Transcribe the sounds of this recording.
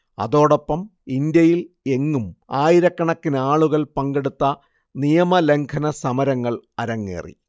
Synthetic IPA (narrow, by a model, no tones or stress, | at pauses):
ɐ̰ðo̞ːɽo̞pːɐmind̪jɐjil | e̞ŋːumaːjiɾɐkːɐɳɐkːinaːɭuɣɐɭpɐŋɡe̞ɽut̪ːɐ | nijɐmɐle̞ŋkʰɐnɐsɐmɐɾɐŋːɐɭɐɾɐŋːḛːrḭ